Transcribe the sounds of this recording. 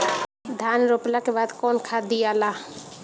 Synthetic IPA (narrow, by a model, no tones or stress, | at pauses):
d̪ʱaːnɾoːplakebaːd̪kɔːnkʰad̪ijaːlaː